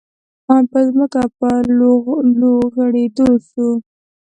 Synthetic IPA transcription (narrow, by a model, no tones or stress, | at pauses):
mɑpəzməkapə | loɣəɽed̪əlʃu